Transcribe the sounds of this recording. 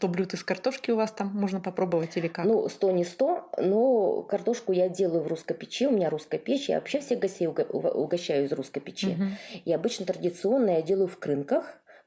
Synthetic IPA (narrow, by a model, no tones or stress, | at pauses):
t̪oblʲut̪ɨskɐrt̪o̞ʂkʲɪʊvast̪amːo̞ʐnəpɐpɾo̞bəvətʲilʲɪkanust̪o̞nʲɪst̪o̞nokɐrt̪o̞ʂkʊjadʲe̞lˠəjʊvruskəjpʲɪt͡ɕeʊmʲɪnʲaɾuskəjəpʲet͡ɕja̰vɐ̰pɕːefsʲeɡɐsʲtʲejʊ̰ʊ̰ɡɐɕːæjʊɪzruskəjpʲɪt͡ɕḛiɐbɨt͡ɕnət̪ɾədʲɪt̪sɨo̞nːəjadʲe̞lˠəjʊfkɾɨnkəx